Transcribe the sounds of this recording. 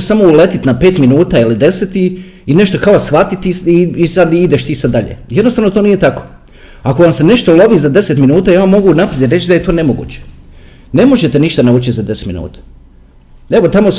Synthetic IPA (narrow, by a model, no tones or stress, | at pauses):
samo̞ule̞t̪it̪nape̞ːt̪minuːt̪aːilid̪e̞set̪i | ine̞ʃt̪o̞kaosxʋat̪it̪iiːsad̪id̪eʃt̪iːsad̪ːaʎḛjed̪nost̪aːʋno̞t̪onije̞t̪ako̥ | ako̞ʋamse̞ne̞ʃt̪o̞lˠo̞ʋiːzad̪e̞se̞t̪minuːt̪aːjaʋamːo̞ɡunapɾed̪ʲjɾe̞t͡ɕd̪aje̞t̪o̞ːne̞moɡṵːt͡ɕe | ne̞mo̞ʒet̪eniʃt̪anauːt͡ɕit̪zad̪e̞set̪minṵːt̪ḁ | eʋot̪amos